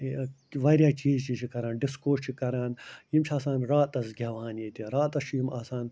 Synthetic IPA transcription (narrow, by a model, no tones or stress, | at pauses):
ʋɐɾjaːt͡ʃiːzt͡ʃʰit͡ʃʰikɐɾaːnɖiskoːt͡ʃʰikɐɾaːnjimt͡ʃʰaːsãːnɾaːt̪ɐsɡʲɐːʋaːnjeːt̪iɾaːt̪ɐst͡ʃʰjimaːsaːn